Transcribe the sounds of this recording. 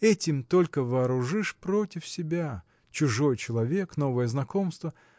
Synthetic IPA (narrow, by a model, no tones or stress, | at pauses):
ɛtʲɪmt̪o̞lʲkəvɐːɾʊʐɨʂpɾo̞tʲɪfsʲɪbʲa | t͡ɕʊʐo̞jt͡ɕɪlˠɐvʲe̞kno̞vəjəznɐko̞mst̪və